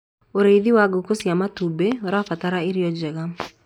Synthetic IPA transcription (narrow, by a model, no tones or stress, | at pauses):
oɾeðiwaɡokosjamatubeoɾafataɾaɪɾjɔd͡ʒɛɡa